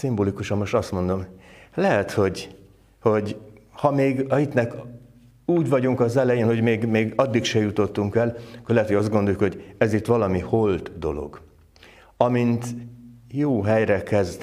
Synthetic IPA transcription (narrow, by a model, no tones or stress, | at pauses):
simboːlikuʃɒmːo̞ʃt̪ɒst̪mo̞nd̪o̞mlɛɦɛt̪ho̞ɟ | ho̞ɟhɒmeːɡɒit̪nɛk | uːɟvɒɟuŋkɒzɛlɛjeːnho̞ɟmeːɡmeːɡɒd̪ːikʃɛjut̪o̞t̪ːuŋkɛlkːorlɛɦɛt̪ojɒzd̪ɡond̪o̞jukho̞ɟɛzit̪ʋɒlɒmiho̞lt̪d̪o̞̰lo̞̰ɡ | ɒmint̪joːɦɛjrɛkɛzd̪